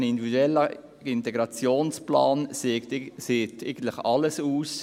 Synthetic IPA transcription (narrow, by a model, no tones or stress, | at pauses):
nɪnd̪ividuɛlːə | ɪntɛɡɾɑt͡sjoːnsplɑ̰ːn | seːteɪɡən̩t̪lɪχɑləsuːs